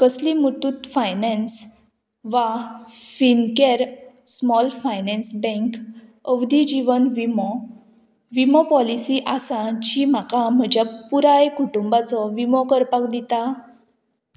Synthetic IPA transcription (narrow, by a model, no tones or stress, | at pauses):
kəslimut̪ut̪fajnɛ̃ns | ʋafinkeɾsmɔlfajnɛ̃nsbɛ̃ŋkəʋd̪id͡ʑiʋənʋimɔ | ʋimɔpɔlisiʔasãd͡ʑim̤akam̤əd͡ʑapuɾajkuʈumbat͡sɔʋimɔkəɾpak̚d̪it̪a